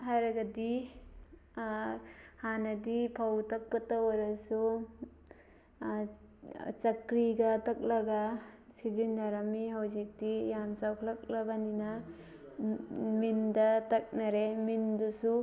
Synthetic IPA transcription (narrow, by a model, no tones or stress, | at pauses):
ɦaɾɐɡadi | hanɐdipʰawtɐk̚pɐtawaɾɐsu | t͡ʃɐkɾiɡɐtɐk̚lɐɡasizindʱaɾamiɦawzik̚dijamt͡ʃawkʰlak̚labanina | mindɐtɐk̚naɾemindusu